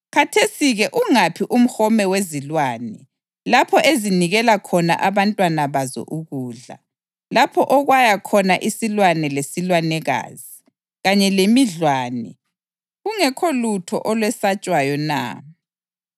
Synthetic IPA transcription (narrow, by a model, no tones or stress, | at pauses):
kʰatʰesiɣɛʔuŋapʰiʔum̩hɔmɛwezilwaːnɛ | lapʰɔʔeziniɣɛlakʰɔna̰ʔaβantʼwanaβazɔ̰ʔuɣuːɮa̰ | lapʰɔʔɔɣwajakʰɔnaʔisilwanɛlesilwanɛɣa̰ːzi | ɣaɲɛlemiɮwaːnɛ | ɣuŋɛkʰɔlutʰɔ̰ʔɔlwɛsat͡ʃʼwajɔna̰